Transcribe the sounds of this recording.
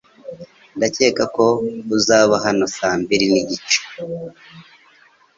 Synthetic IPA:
ndace̞ːkako̞uzaːβaɦano̞saːmbiɾiniɟit͡ʃe̥

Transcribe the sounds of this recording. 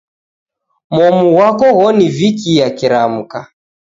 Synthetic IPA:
mɔmuwakɔɣɔnivikijakiɾam̩ka

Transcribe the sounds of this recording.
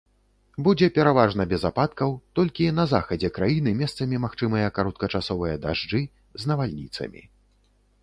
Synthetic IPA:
bud͡zʲɛpʲɛɾavaʐnɐbʲɛzapat̪kɐwt̪ɔlʲkʲinɐzaxɐd͡zʲɛkɾajinɨmʲɛst̪sɐmʲimaxt͡ʂɨmɐjɐkaɾɔt̪̚kɐt͡ʂasɔvɨjɐd̪aʐd͡ʐɨ | znɐvalʲnʲit̪sɐ̰mʲḭ

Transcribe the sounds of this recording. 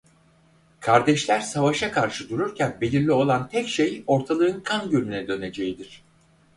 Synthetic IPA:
kʰaɾd̪ɛʃlʲæɾsavaʃakʰaɾʃɯd̪uɾuɾcʰænbe̞lʲiɾlʲio̞lˠant̪ʰɛcʃejo̞ɾt̪ʰalˠɯːɯnkʰanɟylʲmynɛd̪ø̞ne̞d͡ʒejid̪iɾ̝̥

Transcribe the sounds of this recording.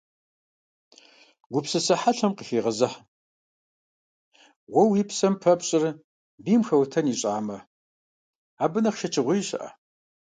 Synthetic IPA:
ɡʷʊpsɨsɐħaɬɐmqəfiːʁɐzɐħ | wɔwiːpsɐmpʰɐpɕʼɪr | biːmxɐwtʰɐniːɕʼaːmɐ | aːbɨnɐχʃɐt͡ʃʰɪʁʷijɕɐ̰ʔɐ̰

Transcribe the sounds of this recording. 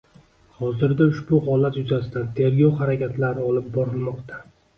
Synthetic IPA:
hɒzɪɾd̪aʊʃbʊhɒlat̪jʊzasɪd̪ant̪ʰe̞ɾɡʲɒwχaɾakʲʰat̪laɾnɪɒlɪp̚bɒɾɪlˠmɒqt̪ʰa

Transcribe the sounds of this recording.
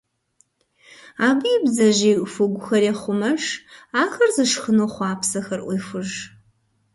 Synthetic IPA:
aːbɨjːbzɐʑeːʔʷfʊɡʷʊxɐrɛχʷʊmɐʂaːxɐrzɨʂχənoːχʷaːpsɐxɐrʔʷixʷʊʒ

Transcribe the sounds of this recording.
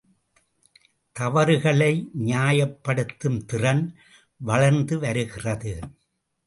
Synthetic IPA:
t̪ɐʋɐɾɯɣɐɭɐɪɲaːjɐpːɐɽɯt̪ːɯmt̪ɪrɐn | ʋɐɭɐɾnd̪ɯʋɐɾɯɣɪrɐðɯ

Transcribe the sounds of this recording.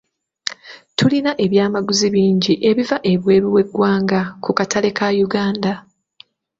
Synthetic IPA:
tulinaʔe̞βjaːmaɡuziβiːɲɟiʔe̞βivaʔe̞βwe̞ːɾuwe̞ɡwaːŋɡakukatʰale̞kʰajuɡaːnda

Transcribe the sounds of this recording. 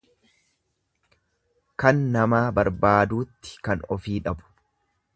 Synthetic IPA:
kɐnːɐmaːbɐɾbaːd̪uːt̪ːɪ̥kɐnɔfiːᶑɐbʊ̥

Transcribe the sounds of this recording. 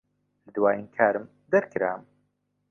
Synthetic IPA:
lɨd̪waːjinkʰaːɾɨm | d̪ɛɾkʰɨɾa̰ːm

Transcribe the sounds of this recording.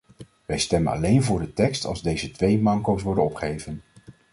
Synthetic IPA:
ʋɛjstɛmənɑ̰lejnvʊːɹdətɛkstɑ̰lˠzdejzətʋejmɑŋkowsʋɔɹdənɔpχejvən

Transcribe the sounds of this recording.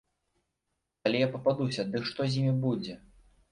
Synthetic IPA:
alʲɛjapɐpad̪usʲɐd̪ɨkʂt̪ɔzʲjimʲibud͡zʲɛ

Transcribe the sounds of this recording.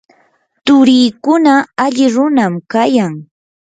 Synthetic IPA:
t̪ʊɾiːkʊnaaʎɪɾʊnamkajaŋ

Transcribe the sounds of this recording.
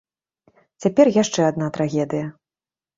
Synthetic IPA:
t͡sʲapʲɛrjaʂt͡ʂɛad̪nat̪ɾaɣʲɛd̪ɨjɐ

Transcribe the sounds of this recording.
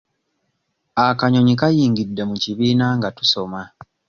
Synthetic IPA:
akaɲo̞ɲikajiːŋɡidːe̞muciβiːnaŋɡatu̥so̞ma

